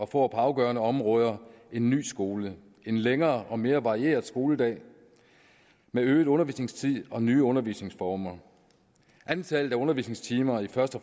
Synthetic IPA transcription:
ɒ̽fɔ̰ːpʰɒ̽ɑ̈ʊɡ̥ɶɐnəɒ̽mʁɔ̽ːð̞ˠɐe̝nːy̰ːsɡ̥o̝ːlə | e̝nleŋɐːɒ̽me̝ːɐʋɑ̈ʁie̝̰ːɐðˠsɡ̥o̝ːləd̥ɛ̰ː | meøːð̩ˠɔ̽nɐʋḭːsne̝ŋst͡sʰið̰ˠɒ̽nyːəɔ̽nɐʋḭːsne̝ŋsfɒːmɐ | ʔænt͡sʰɛlð̩ˠæɔ̽nɐʋḭːsne̝ŋst͡sʰiːmɐifɶɐsd̥ə

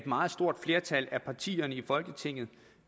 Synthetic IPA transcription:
d̥mɑ̈ːð̞̩ˠsd̥o̝ɐ̰d̥fle̝ːɐt͡sʰælæpʰɑ̈t͡sʰḭːɐnəifɒ̽lɡ̥ət͡sʰe̝ŋ̰ð̩ˠ

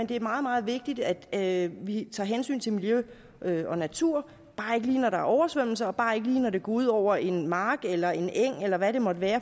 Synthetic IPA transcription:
end̥e̝æɐmɑ̈ːð̞̩ˠmɑ̈ːð̞̩ˠʋe̝ɡ̥̚d̥id̥æd̥ʋit͡sʰɑ̈ːɦensy̰ːnt͡sʰe̝miljø | øɒ̽næt͡sʰuɐ̰ | b̥ɑ̈ːe̝ɡ̥əliːnɒɾɑ̈æʔɒʊɐsʋøm̰l̩sɐɒ̽b̥ɑ̈ːe̝ɡ̥əliːnɒd̥e̝ɡ̥ɔːuð̞ˠɒʊ̰ɐʔe̝nmɑ̈ːɡ̥elɐe̝neŋ̰elɐʋæɾ̥e̝mɒ̽d̥ʋæːɐ

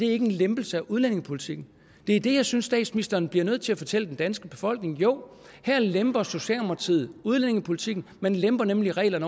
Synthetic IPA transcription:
d̥e̝æɐe̝ɡ̥ənlemb̥l̩səæʔuð̞ˠlene̝ŋəpʰo̝li̥t͡sʰiɡ̥n̩ | d̥e̝æɐd̥e̝jɑ̈ɪsynsːd̥ɛ̰ːd̥sminisd̥ɐːnb̥liɐnøð̩̰ˠt͡sʰe̝æfɒ̽t͡sʰel̰əd̥end̥ænsɡ̥əb̥e̝fɒ̽l̰ɡ̥ne̝ŋjoʊ̰hæɐ̰lemb̥ɐso̝ɕɛ̰ːlɑmɐt͡sʰið̩ˠuð̞ˠlene̝ŋəpʰo̝lit͡sʰiɡ̥n̩menlemb̥ɐnemliʁɛ̰ːlɐnə

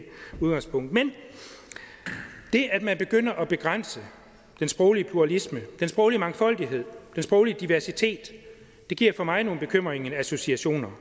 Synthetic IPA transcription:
uðˠɡ̥ɑ̈ŋspʰɔ̽ŋ̰d̥men | d̥e̝ʔæd̥mænb̥e̝ɡ̥øn̰ɐʔɒ̽b̥e̝ɡ̥ʁan̰sə | d̥ensb̥ʁɔʊliəpʰuʁɑ̈lisməd̥ensb̥ʁɔʊliəmɑ̈ŋfɒ̽l̰d̥iɦe̝ð̞̰ˠd̥ensb̥ʁɔʊliəd̥iʋæɐsit͡sʰe̝̰ːd̥ː | e̝ɡ̥iɐ̰fɒ̽mɑ̈ɪno̝ːn̩b̥e̝kʰøm̰ʁeŋəæso̝siæɕo̝̰ːnɐ

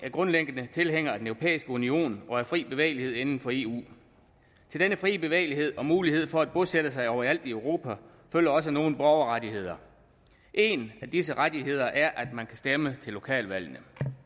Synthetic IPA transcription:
æɐɡ̥ʁɔ̽nleŋɡ̥ənət͡sʰe̝lɦeŋ̰ɐæd̥enøʊʁo̝pʰḛːisɡ̥əunio̝̰ːnɒ̽æfʁḭːb̥e̝ʋḛɪlihe̝ð̞̰ˠe̝nn̩fɒ̽e̝̰ːṵː | t͡sʰe̝ld̥enəfʁḭːb̥e̝ʋḛɪliɦe̝ð̞̰ˠɒ̽muːlihe̝ð̞̰ˠfɒ̽æd̥̚b̥ɔsed̥əsɑ̈ɪɒʊɐæl̰d̥iøʊʁo̝̰ːpʰæ | føl̰ɐɒ̽s̬əno̝ːn̩b̥ɒʊɐʁɑdihe̝ð̞̰ˠɐ | ʔe̝næd̥is̬əʁad̥iɦe̝ð̞̰ˠɐʔæɐʔæd̥mænkʰæsd̥emət͡sʰe̝lːo̝kʰɛ̰ːlʋæl̰nə

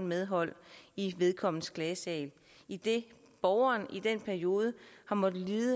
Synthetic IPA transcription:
n̩meðˠɦɒ̽l̰iʋe̝ð̞ˠkʰɒ̽m̰n̩skʰlɛːsɛ̰ɪl | id̥e̝ | b̥ɒʊɐːnid̥en̰pʰæɐio̝ːð̞ˠəhɑ̈mɒ̽ðəliːə

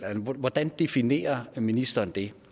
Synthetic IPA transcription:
lʋʋɒd̥ænd̥e̝fine̝̰ːɐminisd̥ɐːnd̥e̝

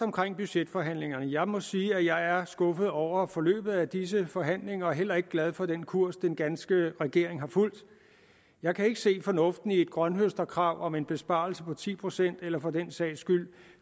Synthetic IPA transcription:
ɒ̽mkʰʁeŋ̰b̥yɕed̥fɒ̽ɦæn̰le̝ŋɐnəjɑ̈ɪmɒ̽siːæjɑ̈ɪæɐsɡ̥ɔ̽fð̞̩ˠɒʊ̰ɐfɒ̽lø̰ːb̥ð̞̩ˠæd̥is̬əfɒ̽ɦæn̰le̝ŋɐːɦel̰ɐe̝ɡ̥əɡ̥læð̞ˠfɒ̽d̥enkʰuɐ̰sd̥enɡ̥ænsɡ̥əʁɛɡ̥e̝ɐ̰e̝ŋɦɑ̈ful̰d̥ | jɑ̈ɪkʰæe̝ɡ̥əse̝̰ːfɒ̽nɔ̽fd̥n̩ie̝d̥̚ɡ̥ʁɶnɦøsd̥ɐkʰʁɑ̈ʊ̰ʔɒ̽me̝nb̥e̝sb̥ɑ̈ːl̩səpʰɒ̽t͡sʰḭːpʰʁo̝sen̰d̥elɐfɒ̽d̥ensɛ̰ɪsɡ̥yl̰

